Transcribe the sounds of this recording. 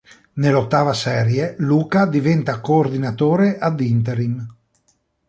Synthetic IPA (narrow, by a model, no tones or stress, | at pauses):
nelot̪ːaːvasɛːɾjeluːkad̪ivɛnt̪akoːrd̪inat̪oːɾeʔad̪int̪eɾim